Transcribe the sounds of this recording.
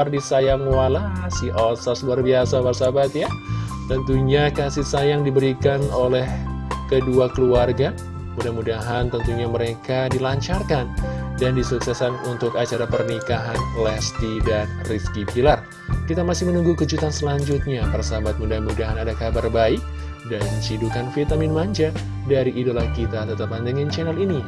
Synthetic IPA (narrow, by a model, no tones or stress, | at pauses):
ardisajaŋwalasiʔosasluarbiasawarsabat̪ja | t̪ənt̪uɲakasɪsajaŋdibəɾikanolɛh | kəduakəluarɡa | mudahmudaɦant̪ənt̪uɲaməɾekadilaɲt͡ʃarkandandisuksɛsanunt̪ʊkat͡ʃaɾapərnikaɦanlɛst̪idanriskipilar | kit̪amasɪhmənuŋɡukəd͡ʒut̪ansəlaɲd͡ʒut̪̚ɲapərsabat̪̚mudahmudaɦanadakabarbaɪk̚ | dant͡ʃidukanfit̪amɪnmaɲt͡ʃa | daɾiʔːdolakit̪at̪ət̪apandəŋint͡ʃɛnalini